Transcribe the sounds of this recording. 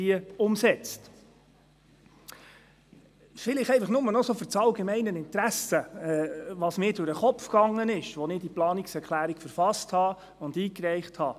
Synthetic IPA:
iəʊmsɛt͡st | fɪlɪχɛɪfɑχnʊmənɔsofʏɾt͡sɑlɡɛmɛɪnənɪntɾæsəɛːʋɑːsmɪːdʊɾəχɔpfkɑŋːənɪʃʋɔnɪd̥iplɑːnɪksɛɾkʰlæːɾikfəɾfɑsthɑː | ʊndiːkɾɛɪχthɑː

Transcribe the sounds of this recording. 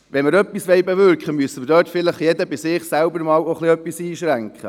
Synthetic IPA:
ʋɛnməɾœpːisʋɛɪbɛvʏɾkχəmyəsəmədøːtfɪləχjɛd̪əbɪsɪːχsælbəɾmɑːwoχliœpːisiːʃɾæŋkχə

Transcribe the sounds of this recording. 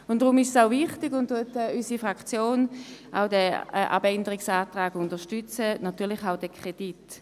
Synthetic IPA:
ʊnd̥ʁʊmɪʃsaʊvɪχtɪɡʊntːuətɛysifʁakt͡sjoːnʔa̰ʊdɛɛʔa̰bɛndəʁɪksaːtʁaːɡʊndəʃtyt͡sənatyːɐlɪχaʊd̥ɛkʰʁ̥ed̥it

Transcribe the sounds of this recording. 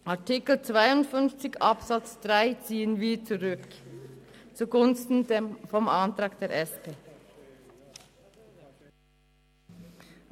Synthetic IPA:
ʔaɐtɪkl̩t͡sv̥aɪʊntfʏnft͡sɪçʔapsat͡sd̥ʁaɪt͡siːənviːt͡suʁʏk | t͡suɡʊnstn̩fɔmʔantʁɑːkd̥eːɐʔɛspeː

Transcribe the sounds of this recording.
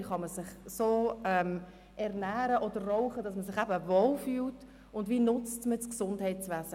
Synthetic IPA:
χɑməsɪχsoːɛm | ʔɛʁnæːɾəʔɔd̪ərːɔʊχədɑsməsɪχæbəvoːlfyːlt | ʊndviːnʊt͡stmət͡sksʊndhɛɪtt͡sʋæzə

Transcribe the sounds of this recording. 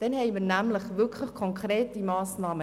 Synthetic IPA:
d̥ɛnhɛɪmərnæmləχʋʏkʰləχkʰɔŋkʰreːtimɑːsnɑːmə

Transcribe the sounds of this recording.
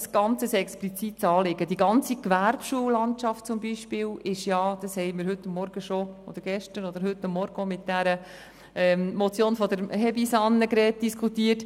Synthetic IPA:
sɡ̥ɑnt͡səsɛksplit͡sitsɑːlɪɡədiɡɑnt͡sikʋæɾbʃuːəlɑntʃɑft̚t͡sʊmbiʃpɪːlɪʃjɑd̥̪ɑshɛɪmɪːɾɦɵt̪ːʊmːɔɾɡ̥əʃoo̰d̥̪əɾɡ̥ɛʃtəɾod̪əɾɦʏtːʊmːɔɾɡ̥əomɪt̚d̥æɾə | ɛmmɔt͡sjoːnfɔd̪əɾɦɛbisɑnːəɡɾɛːt̚d̥iskʰutiːət

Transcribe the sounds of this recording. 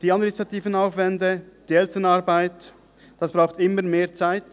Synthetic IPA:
d̥iːat̚mɪnistʁatiːvənaʊfvɛndəd̥iːɛltənaɾbaɪt | d̥asb̥ʁaʊxtɪməmeːɐt͡saɪt

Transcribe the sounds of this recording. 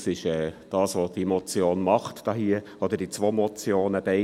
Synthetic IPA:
sɪʃɛːd̥ɑːsʋod̥imɔt͡sjoːnmɑχtd̥ɑːɦiə | ɔd̪əɾd̥it͡sʋomɔt͡sjoːnəb̥ɛɪ

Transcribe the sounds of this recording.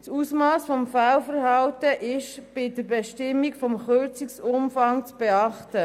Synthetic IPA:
susmɑːsfɔmfalfəɾhɑltəʔɪʃb̥ɪdəɾbɛʃtɪmːikfɔmχøɾt͡siksʊmfɑŋt͡sb̥eɑχtə

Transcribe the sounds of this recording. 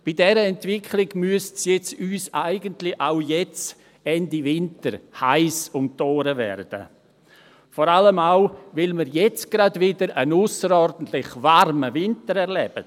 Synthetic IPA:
b̥idɛɾəɛntvɪkʰlɪɡ̥myəstsjɛt͡syːsaɪɡəntlɪʔaʊjɛt͡s | ɛndivɪntəɾhaɪsʊmtoːɾəvɛ̰rd̥ə̰ | fɔɾaləmaʊvɪlmiɾjɛt͡sɡ̥ɾadvɪdəɾənʊsəɾɔɾdn̩tlɪχvaɾməvɪntəɾɛɾlɛb̥ə̰

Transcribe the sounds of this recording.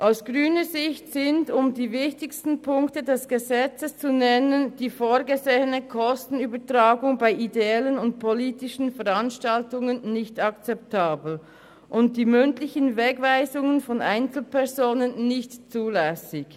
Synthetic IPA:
ʔaʊsɡ̥ʁyːnəzɪçtsɪndʊmdiːvɪçtɪçstn̩pʰʊŋktədɛsɡ̥əzɛt͡səst͡sunɛnənd̥iːfoːɡəzeːənəkʰɔstn̩yːbətʁaːɡʊŋbaɪʔideɛlənʊnt̚pʰoliːtɪʃn̩fɛʁanʃtaltʊŋənːɪçtakt͡sɛp̚tʰaːbl̩ | ʔʊnt̚d̥iːmʏntlɪçənvɛɡvaɪzʊŋənfɔnʔaɪnt͡sl̩pʰɛʁzoːnənːɪçtt͡suːlɛsɪç

